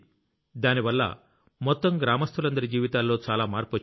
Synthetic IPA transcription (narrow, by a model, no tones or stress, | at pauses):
d̪aːniʋɐlːɐ̰ | mɔt̪ːɐmɡɾaːmɐst̪ʰulɐnd̪ɐɾid͡ʒiːʋit̪aːlːo̞ːt͡ʃaːlaːmaːɾpo